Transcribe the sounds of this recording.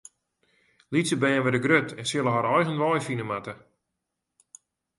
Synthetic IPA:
lisəbɛːnʋədəɡrøtʰɛnsjɪlˠəɦɔɾɔjɣənʋɔjfinəmatə

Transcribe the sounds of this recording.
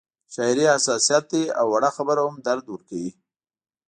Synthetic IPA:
ʃɑɾiasɑsijɑt̪̚d̪ea̰wːaɽaxabəɾahʊmd̪aɾd̪wəɾkawi

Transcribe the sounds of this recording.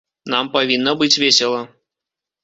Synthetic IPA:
nampavʲinːɐbɨt͡sʲvʲesʲɛlˠɐ

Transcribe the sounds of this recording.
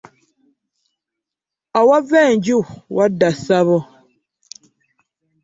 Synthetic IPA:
awaveːɲɟuwʔadːasaβo

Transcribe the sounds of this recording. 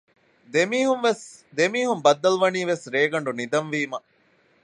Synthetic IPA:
d̪emiːɦunʋesd̪emiːɦumbɐd̪ːɐluʋɐniːʋesɾeːɡɐɳɖunid̪ɐnʋiːmɐ

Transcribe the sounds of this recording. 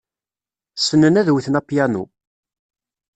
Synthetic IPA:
sənːənæðwiθnapjænṵ

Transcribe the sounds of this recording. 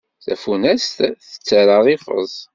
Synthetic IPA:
θæ̰funæst̪θə̥t͡sːəɾəʁifə̰zˤ

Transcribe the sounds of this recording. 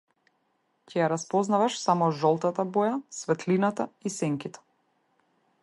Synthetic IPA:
cɛjaɾaspɔznavaʃsamɔʒɔlˠt̪at̪abɔjasvɛt̪linat̪aisɛŋkit̪ɛ̥

